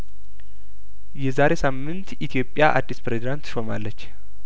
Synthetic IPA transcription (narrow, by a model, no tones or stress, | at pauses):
jɛzaɾe̞samːɨnt̪it̪ʰijo̞pʼːjaʔa̰d̪ːispɾezid̪ant̪ʃo̞malːət͡ʃː